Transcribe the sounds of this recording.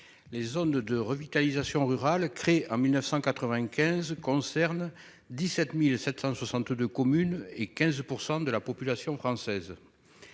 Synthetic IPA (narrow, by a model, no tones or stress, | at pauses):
lezɔnd̪əʁəvit̪alizasjɔ̃ʁyʁalkχeɑ̃milnœfsɑ̃kat̪χəvɛ̃kʲɛ̃zkɔ̃sɛʁn | d̪isɛt̪milsɛt̪sɑ̃swasɑ̃t̪d̪økɔmynekɛ̃zpuʁsɑ̃d̪əlapɔpylasjɔ̃fχɑ̃sɛz